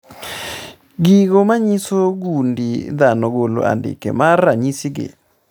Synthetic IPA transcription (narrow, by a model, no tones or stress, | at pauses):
ɡiɣomaɲisoɡundid̪anɔɡolo̰a̰ndɪ̰kḛmarːaɲisiɡɪ̰